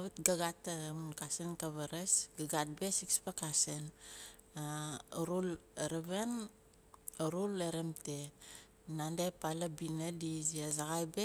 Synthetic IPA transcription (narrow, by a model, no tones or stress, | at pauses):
βutɡaɡatamunkasenkaβaɾesɡaɡat̚besikspakasen | aɾuleɾeβen | ɾuleɾemte | nandepalabinadiziazaɡajbe